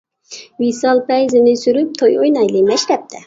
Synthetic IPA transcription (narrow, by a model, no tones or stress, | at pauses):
visɑlˠpæjzɪnɪsyɾyp̚t̪ʰojojnɑjlˠɨmæʃt̪ɛp̚t̪ʰɛ